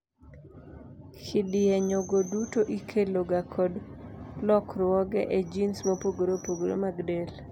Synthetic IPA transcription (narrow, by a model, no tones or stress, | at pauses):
kʰɪdɪɛɲoɡodutoʔikʰeloɡakʰɔdlɔkɾwɔɡɛʔed͡ʒinsmopoɡoɾopoɡoɾo̰maɡdel